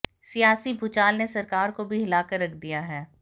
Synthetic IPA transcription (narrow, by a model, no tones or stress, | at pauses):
sijaːsibʱʊt͡ʃaːlnesɐɾkaːɾkobʱiɦɪlaːkəɾːɐkʰd̪ijaɦɛː